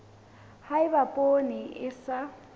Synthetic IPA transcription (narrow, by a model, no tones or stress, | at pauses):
haɪbapʼoniʔɪsa